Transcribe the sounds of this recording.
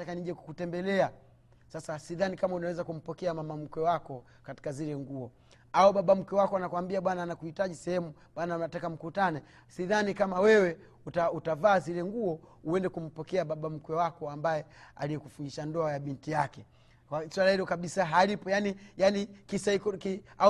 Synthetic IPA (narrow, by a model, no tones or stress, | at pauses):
akaniʄɛkukutɛmbɛlɛa | sasasiðanikamaunawɛzakum̩pɔkɛamamam̩kɛwakɔ | kati̥kazilɛŋɡuɔ | auɓaɓam̩kwɛwakɔanakuwambiaɓwananakuhitaʄisɛhɛmu | ɓwanaunatakam̩kutanɛ | siðanikamawɛwɛ | utautavaːzilɛŋɡuɔuɛndɛkum̩pɔkɛaɓaɓam̩kwɛwakɔambajɛa̰lijɛkufuniʃandɔajaɓintijakɛ | waswalahilɔkaɓisaɦalipɔjanijanikiskɔkia